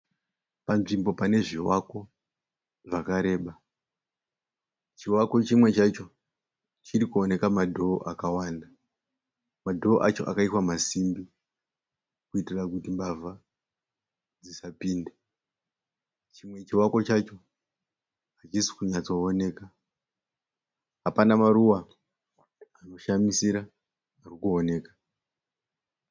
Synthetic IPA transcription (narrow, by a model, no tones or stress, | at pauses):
panʐimbo̞pane̞ʐiwako̞ | ʐakaɾe̞ːɓa | t͡ʃiwako̞t͡ʃimwe̞t͡ʃat͡ʃo̞ | t͡ʃirikuone̞kamadʱo̞ːʔakawanda | madʱo̞ːʔat͡ʃo̞ʔa̰kaitwamasimbi | kuitirakutimbavʱa | d͡zisapiːnde | t͡ʃimwe̞t͡ʃiwako̞t͡ʃat͡ʃo̞ | at͡ʃisi̥kuɲat͡so̞ːne̞ːka | ɦapanamaɾuwa | ano̞ʃamisiɾaː | rikuone̞ːkḁ